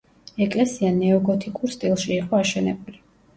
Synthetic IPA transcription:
ɛkʼlɛsianɛɔɡɔt̪ʰikʼuɾst̪ʼilˠʃiːqʼɔaʃɛnɛbuli

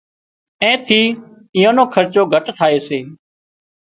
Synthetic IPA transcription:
ɛ̃ːt̪ʰiː | ɪːõːnõːkʰəɾt͡ʃoːɡʱəʈt̪ʰaːeːseː

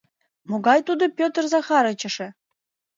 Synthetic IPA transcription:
moɡɑjt̪ud̪ŏpʲøt̪rzɑχɑɾɤ̆t͡ɕə̆ʂɘ̆

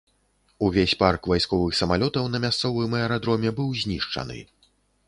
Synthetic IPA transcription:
uvʲesʲparkvajskɔvɨxsɐmalʲɔt̪ɐwnɐmʲast̪sɔvɨmɛɛɾad̪ɾɔmʲɛbɨwzʲnʲiʂt͡ʂɐ̰nɨ̰

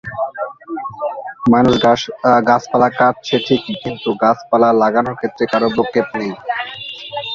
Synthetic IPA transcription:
manuʃɡaspalakat̪̚t͡ɕʰeʈʰikkint̪uɡasʰpalalaɡanoɾkʰet̪ːɾekaɾobokʰːep̚nej

